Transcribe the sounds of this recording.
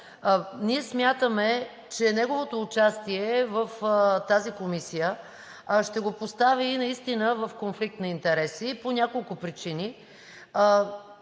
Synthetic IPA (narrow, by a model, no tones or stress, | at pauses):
niɛsmʲjat̪əmɛ | t͡ʃɛnɛɡovot̪oːt͡ʃast̪iɛvəft̪azikomisijə | ʃt̪ɛɡopost̪aviːnɐist̪inəvəfkonflik̚t̪nɐint̪ɛɾɛsiponʲakolˠkʊpɾit͡ʃini